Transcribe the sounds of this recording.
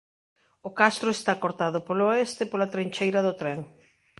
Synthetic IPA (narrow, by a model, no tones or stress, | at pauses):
okast̪ɾʊest̪akoɾt̪aðʊpoloest̪epolat̪ɾeɲt͡ʃejɾɐðʊt̪ɾeŋ